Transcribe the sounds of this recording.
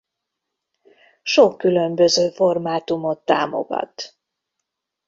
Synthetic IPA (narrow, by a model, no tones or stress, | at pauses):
ʃo̞kːylø̞mbøzøːformaːt̪umo̞t̪ːa̰ːmo̞̰ɡɒ̰t̪